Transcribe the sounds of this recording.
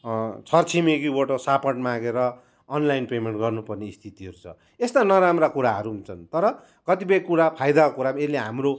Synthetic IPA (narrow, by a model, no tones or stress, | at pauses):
t͡sʰʌrt͡sʰimekibʌʈosapʌʈmãɡeɾʌː | nlajnpemeɳʈɡʌrnupʌrneist̪ʰit̪iʌɾut͡sʰʌ̰ | est̪anʌɾamrakuɾaɦʌɾuunt͡sʰʌnt̪ʌɾʌ | kʌt̪ipʌjkuɾapʰajd̪akokuɾameleɦamro